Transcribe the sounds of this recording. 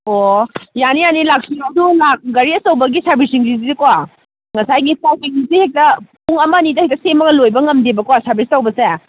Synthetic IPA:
ojanijanilak̚siadulak̚ɡɐɾiɐsɐwbɐɡisaɾbisiŋzizizikowa | ŋɐsajɡisawbiŋisihek̚tɐpuŋɐmɐnidɐhek̚tɐsemɐɡɐlojbɐŋɐmdebɐkowasaɾbistɐwbɐse

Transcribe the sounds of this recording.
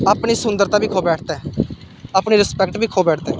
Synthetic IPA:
aːpɳiːsʊnd̪əɾt̪ãːbiːkʰoːbɛːʈʰt̪ɛː | aːpɳiːɾɪspɛkʈbʱiːkʰoːbɛːʈʰt̪ɛː

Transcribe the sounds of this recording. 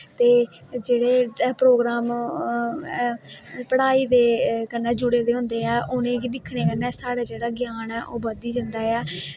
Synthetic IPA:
t̪eːd͡ʒeːɽeːpɾoːɡɾaːm | pəɽaːiːd̪eːkənɛ̃ːd͡ʒʊɽeːd̪eːɦʊ̃nd̪eːɛːʔʊnẽːkid̪ɪkʰːɽeːkənɛːsaːɽaːd͡ʒeːɽaːɡjaːnɛːʔoːbəd̪iːd͡ʒənd̪aːɛː

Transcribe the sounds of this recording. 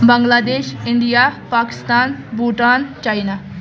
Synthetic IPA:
bəŋɡlaːd̪eːʃɪɳɖijapaːki̥st̪aːnbuːʈaːnt͡ʃaːjna

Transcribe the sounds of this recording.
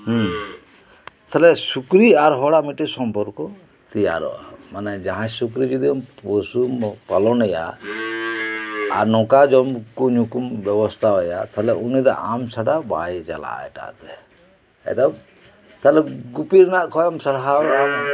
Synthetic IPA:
h | t̪ʰalɛsukɾiaɾɦɔɽamiʈɛsɔmpɔɾkɔ | t̪ija̰ɾɔ̰a̰manɛd͡ʒaɦãsukɾid͡ʒud̪iɔmposumpalɔnɛja̰ | ɾnɔkad͡ʒɔmkuɲukumbɛbɔst̪ʰaɦɔja̰t̪ʰalɛunid̪a̰ʔamsaɖaba̰jt͡ʃala̰ɛ̰ʈa̰t̪ɛ | ɛ̰d̪ab | t̪alɛɡupiɾnaʔkʰɔjɔmsaɽaɦaam

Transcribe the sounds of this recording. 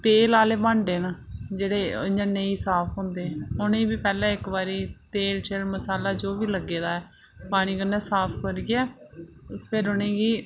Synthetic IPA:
t̪eːlaːleːbãːɳɖeːnãːd͡ʒeːɽeːɲənːẽːiːsaːpʰɦʊ̃ːnd̪eːɛ̃ʊnẽːbiːpɛːlɛ̃ːɪkbaːɾiːt̪eːlt͡ʃelməsaːlaːd͡ʒoːʋiːləɡːeːd̪aːɛː | paːɽ̃iːkənːɛ̃ːsaːpʰkəɾɡɪjaː | pʰɪɾʊnẽːɡiː

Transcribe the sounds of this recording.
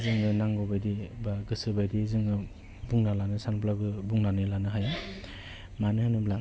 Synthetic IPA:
zɯŋɯnaŋɡɔbajdibaɡɯsɯbajdizɯŋɯ | buŋnalanɯsanplaɡɯbuŋnanɯlanɯɦaj | manɯhɯnɯbla

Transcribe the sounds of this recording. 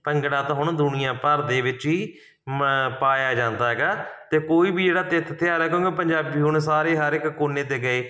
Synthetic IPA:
pəŋɡɽãːt̪ãːɦʊɳd̪ʊnɪjãːpəɾd̪eːʋɪt͡ʃiː | paːjaːd͡ʒãːnd̪aːɦɛːɡaːt̪eːkoːiːbʱiːd͡ʒeːɽaːt̪ɪt̪ʰːt̪ɪaːɾɛːkõːɡeːpəɲd͡ʒaːbiːɦʊɳsaːɾeːɦəɾɪkkoːnːẽːt̪eːɡəeː

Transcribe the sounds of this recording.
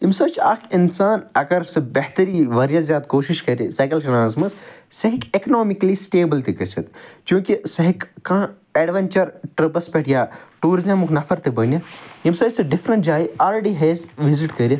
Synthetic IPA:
imsɐt͡ʃaːkinsaːnɐɡɐɾsɐbɐɦt̪ɐɾiːʋɐɾijɐzjaːd̪koːʃiʃkɐɾisɐːkɐlʃɐnaːzmɐzsɐɦikekɐnoːmiklisʈeːbɐlt̪ikɐsɐt̪kjũːkisɐɦikkãː | ɛːɖʋɐnt͡ʃɐɾʈɾɐbɐspeʈʰijaːʈuːɾizɐmuknɐfʰɐɾt̪ibɐnjɐjimsɐsɐɖifɾɐnʈd͡ʒaːiaːlɾeɖiɦeːzʋiziʈkɐɾii

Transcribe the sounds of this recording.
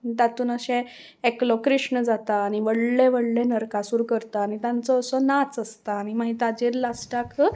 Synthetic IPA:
d̪at̪uːnəɕɛ̃ | eklɔkɾiʂɳəd͡zat̪aːɽ̃iʋəɽlẽʋəɽlẽnəɾkasuːɾkəɾt̪aːñit̪jãnt͡sɔːsɔnat͡səst̪aːñimaɦiːt̪ad͡ʑeɾlasʈakʰ

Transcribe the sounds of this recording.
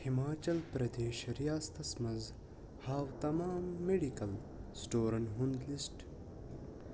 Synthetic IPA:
himaːt͡ʃɐlpɾɐd̪eːʃɾijaːst̪ʰɐsmɐz | haːʋt̪ɐmaːmːeɖikɐl | sʈoːɾɐnɦund̪lisʈ

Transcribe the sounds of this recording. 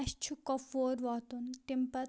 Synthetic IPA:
ɕt͡ʃʰukɔfoːɾʋɔt̪unʈimpɐ

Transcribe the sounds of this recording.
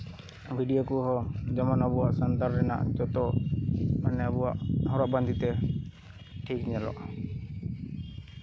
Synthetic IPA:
bʱiɖijokuɦɔd͡ʒɔmanɔbuwaʔsɔnt̪aɾɾɛna̰ʔd͡ʒɔt̪ɔ | manɛɔbuwaʔɦɔɾɔʔband̪ʱit̪ɛ | ʈʰikɲɛlɔ̰ʔ

